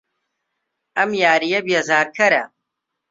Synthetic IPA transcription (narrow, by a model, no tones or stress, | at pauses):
ɐmjaːɾijɐbijɐzaːɾkʰɐɾa